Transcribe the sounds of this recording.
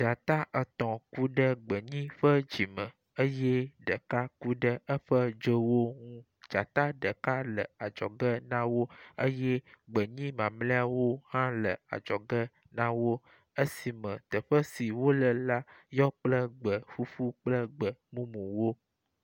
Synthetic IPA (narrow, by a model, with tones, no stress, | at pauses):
d͡ʒa˨t̪a˦ʔə˨t̪ɔ̃˨ku˦ɖə˦ɡ͡bə˨ɲĩ˦ɸə˦d͡ʒi˨mə̃˨ | ə˦jɛ˦ɖə˨ka˦ku˦ɖə˦ə˦ɸə˦d͡ʒə˦wo˦ŋũ˦ | d͡ʒa˨t̪a˦ɖə˨ka˦lə˨a˨d͡ʒɔ˨ɡə˦nã˦wo˦ə˦jɛ˦ɡ͡bə˨ɲĩ˦mã˨mlẽ˦a˦wo˦hã˦lə˨a̰˨d͡ʒɔ˨ɡə˦ | nã˦wo˦ | ə˦si˨mə̃˨t̪ə˨ɸə˦si˨wo˦lə˨la˦jɔ˦k͡plə˦ɡ͡bə˨fu˦ɸu˦k͡plə˦ɡ͡bə˨mũ˦mũ˨wo˦